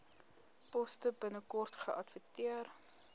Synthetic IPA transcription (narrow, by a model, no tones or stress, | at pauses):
pɔstəbənəkɔrtχəʔɐtvətiər